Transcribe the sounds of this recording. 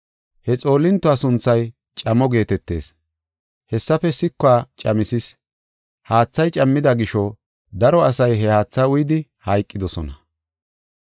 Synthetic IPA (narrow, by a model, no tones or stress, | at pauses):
hɛt͡sʼo̞ːlːɪnt̪ːʊaːsʊnt͡sːɐj | t͡ʃʼɐmːɔɡe̞ːt̪ɛt̪ːe̞ːs | hɛsːɐfɛsɪkːʊaːt͡ʃʼɐmɪsɪs | haːt͡sːɐjt͡ʃʼɐmːɪd̪ɐɡɪʃɔ | d̪ɐɾɔɐsɐjɦɛhaːt͡sːaʊjd̪ɪhɐjkʼːɪd̪ɔsɔnɐ